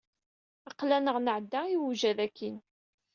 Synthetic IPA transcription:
ɑqːlænəʁnəʕd̪ːæiwuʒæðækʰːin

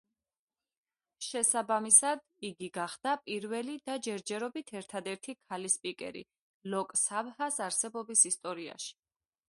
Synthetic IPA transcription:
ʃɛsabamisad̪ | iɡiɡaχd̪̥apʼiɾvɛlid̪ad͡ʒɛɾd͡ʒɛɾɔbit̪ʰɛɾt̪ʰad̪ɛɾt̪ʰikʰalispʼikʼɛ̰ɾḭ | lɔkʼsabhasaɾsɛbɔbisist̪ʼɔɾia̰ʃi̥

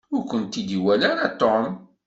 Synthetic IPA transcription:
ʊɾkʷənt̪id̪iwælaɾat̪ɔm

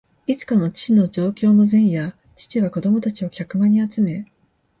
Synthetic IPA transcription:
it͡sɨ̥kano̞t͡ɕi̥t͡ɕino̞d͡ʑo̞ːkʲo̞ːno̞zẽ̞ɰ̃ja | t͡ɕi̥t͡ɕiβako̞d̪o̞mo̞t̪at͡ɕio̞kʲakɯ̟mãɲ̟ːiat͡sɨme̞

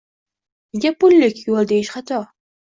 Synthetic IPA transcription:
ɪɡʲapʊlːɪkʲjolˠd̪ejɪʃχat̪ʰɒ

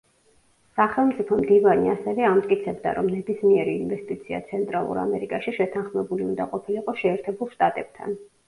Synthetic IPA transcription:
saχɛlˠmt̪sʼipʰɔmd̪ivaniasɛvɛamt̪ʼkʼit̪sʰɛbd̪a̰ɾɔ̰mnɛbismiɛɾiːnvɛst̪ʼit̪sʰia̰t̪sʰɛnt̪ʼɾalˠṵɾa̰mɛɾikʼaʃiʃɛt̪ʰanχmɛbuliund̪aqʼɔpʰiliqʼɔʃɛːɾt̪ʰɛbulˠʃt̪ʼat̪ʼɛb̥̚t̪ʰa̰n

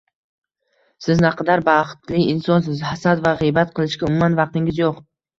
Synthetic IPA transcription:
sɪznaqʰɑd̪aɾbaχɨ̥t̪lɪɪnsɒns̬ɪzhasad̪vaʁɨjbat̪̚qʰɨlˠɪʃkʲaʊmʊmanvɑq̚t̪ɪŋʲɪzjoq

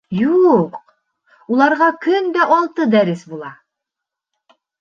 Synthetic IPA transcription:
juq | ulˠɑɾʁɑkɵnd̪æʔɑlˠt̪ɤd̪æɾɘsbulˠɑ

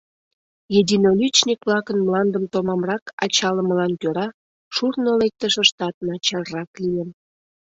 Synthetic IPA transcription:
jed̪ʲinolʲyt͡ɕnʲikβlɑkənmlɑnd̪əmt̪omɑmrɑkɑ̰t͡ɕɑləməlɑnkʲøɾɑ | ʃurnolek̚t̪əʃə̆ʃt̪ɑt̪̚nɑt͡ɕɑrrɑklijəm

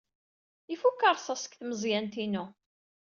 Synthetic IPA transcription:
ifukːəɾˤsˤɑsə̥kθməzˤjænt̪inu

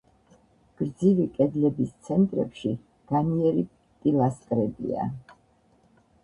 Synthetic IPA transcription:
ɡ̥ɾd̪zivikʼɛd̪lɛbist̪sʰɛnt̪ʼɾɛ̰pʃi | ɡ̥aniɛɾi | t̪ʼilˠast̪ʼɾɛbḭa̰

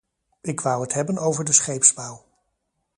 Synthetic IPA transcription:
ɪkʋʌwɦətɦɛbənowvəɹdəsχejpspawˠ

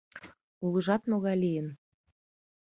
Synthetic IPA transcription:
ulə̆ʒɑt̪moɣɑjlijə̆n

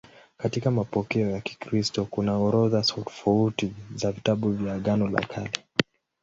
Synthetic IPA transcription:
katikamapɔkɛɔjaki̥kɾistɔkunaɔɾɔðasautɔ̥fautizavitaɓuvjaːɠanɔla̰kʰali

